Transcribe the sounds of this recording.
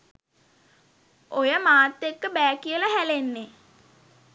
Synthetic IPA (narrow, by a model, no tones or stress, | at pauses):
ʔojəmaːt̪ːekːəbæːkijələɦælenːe